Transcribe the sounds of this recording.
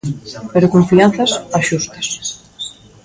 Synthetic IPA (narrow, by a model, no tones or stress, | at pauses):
peɾokõɱfianθɐsaʃust̪ɐ̥s